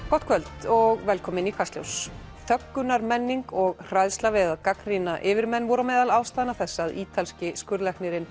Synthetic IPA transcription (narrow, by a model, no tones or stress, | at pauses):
kɔht̪kʰvœlt̪ɔɣvɛlkʰɔːmɪnikʰvast̪ljo̰ws | θœkːʏnaɾmɛnːiŋkɔɣr̥ajðst̪lavɛðaðkakɾinaʔɪvɪɾmɛnvɔɾamɛːðalaːwst̪aːðnaθɛsːaðiːt̪ʰalscɪskʏɾðlɛhknɪɾɪn